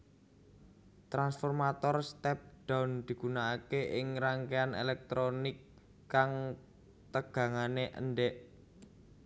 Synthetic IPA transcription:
t̪ɾansfɔrmat̪ɔrst̪ɛp̚ɖ̥a̤wnd̪̥i̤ɡ̥ṳnaːkeʔɪŋraŋkeanḛlɛk̚t̪ɾonɪkː | aŋ | t̪əɡ̥ä̤ŋaneʔə̰nɖɛʔ

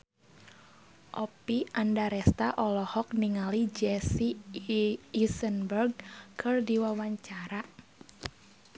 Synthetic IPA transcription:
ʔɔpiʔandaɾɛst̪aʔɔlɔhɔk̚niŋalid͡ʒɛsiː | sənbərɡ̚kʰɨrdiwawaɲt͡ʃaɾa

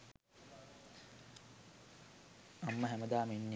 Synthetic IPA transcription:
ɐmːəɦæməd̪aːminːi

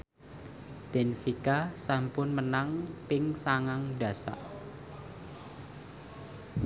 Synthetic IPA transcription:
b̥enfikasampʊnmənaŋpɪŋsaŋaŋɖä̤sa̰ʔ

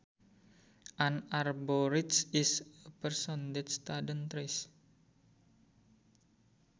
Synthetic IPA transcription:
ʔanarboɾit̪sisəpərsɔnd̪ɛt̪st̪adənt̪ɾis

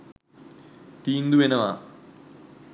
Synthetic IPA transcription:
t̪iːnd̪uʋenɐʋaː

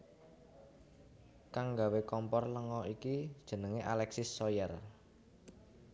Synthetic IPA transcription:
kaŋɡawekɔmpɔrləŋɔikid̥ʒ̥ə̤nəŋeʔalɛksɪsːɔjɛr

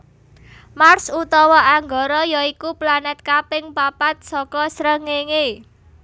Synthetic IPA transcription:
marsut̪ɔwɔʔaŋɡɔɾɔjɔikuplanɛt̪̚kapɪŋpapat̪̚sɔkɔsɾəŋeŋe

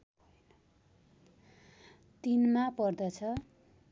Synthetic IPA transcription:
t̪inmapʌrd̪ʌt͡sʰʌ

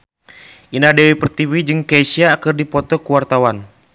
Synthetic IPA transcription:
ʔinadɛwipərt̪iwid͡ʒɨŋkeisiaːkərdipɔt̪ɔkuwart̪awan

